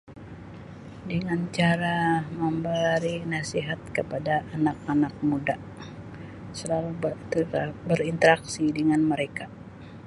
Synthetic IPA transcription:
dəŋant͡ʃaɾaməmbəɾinasiɦat̪̚kəpadaʔːnakanak̚muda | səlalub̪ | bəɾint̪əɾak̚sidəŋanməɾeka

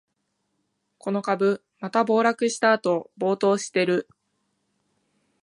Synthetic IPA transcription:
kʰo̞no̞kabɯ̟ | mat̪abo̞ːɾakɯ̟ɕi̥t̪aːt̪o̞bo̞ːt̪o̞ːɕi̥t̪e̞ɾɯ̟

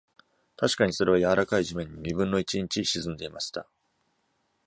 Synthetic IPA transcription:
t̪ʰaɕi̥kaɲ̟iso̞ɾe̞β̞ajaβaɾakaiʑimẽ̞ɲ̟ːimʲibɯ̟̃nːo̞it͡ɕĩɲ̟t͡ɕiɕizɨ̃nd̪e̞imaɕi̥t̪a̰

